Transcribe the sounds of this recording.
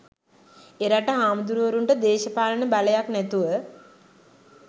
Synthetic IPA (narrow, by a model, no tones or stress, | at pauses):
eɾaʈəɦaːmd̪uɾuʋəɾuɳʈəd̪eːʃəpaːlənəbaləjaknæt̪uʋə